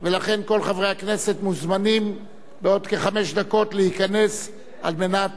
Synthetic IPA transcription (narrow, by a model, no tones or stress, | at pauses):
ve̞laχe̞nko̞lχavʁe̞jakne̞se̞t̪muzmanim | beo̞d̪keχame̞ʃd̪ako̞tlehikane̞s | a̰lme̞nat̪